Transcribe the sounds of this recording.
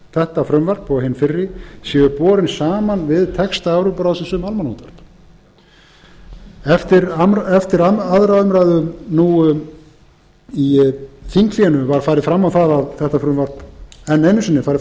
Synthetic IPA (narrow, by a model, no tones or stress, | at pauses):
θɛht̪afɾʏmvar̥pɔɣɦɪnfɪrːɪsjɛːɣʏpɔːɾɪnsaːmanvɪðt̪ʰɛkst̪aawɾʏpɾaðsɪsʏmalmanut̪vaɾ̥p | ɛft̪ɪɾamɛft̪ɪɾaaðɾaʏmɾajðʏnu | iθiŋkliɛnʏvaɾ̥faːjɾɪðfɾamːawθaðaðθɛht̪afɾʏmvaɾ̥pɛnːejnːʏsɪnːɪfajɾɪ